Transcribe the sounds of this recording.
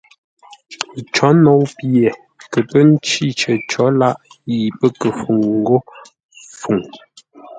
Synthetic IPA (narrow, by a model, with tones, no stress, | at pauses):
t͡ʃɔ˨˦nɔ˨˦wpje˨ | kə˨pə˦n̩˦t͡ʃi˦˨t͡ʃə˨t͡ʃɔ˨˦la˦ʔji˨pə˦kə˨fu˨ŋŋ̩˦ɡo˦ | fu˨ŋ